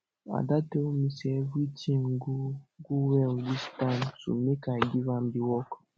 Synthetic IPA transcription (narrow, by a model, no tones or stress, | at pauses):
a̰dateomisɛvitʰĩŋɡuɡuwɛlwistãntṵmekaɪɡivãm̩diwɔk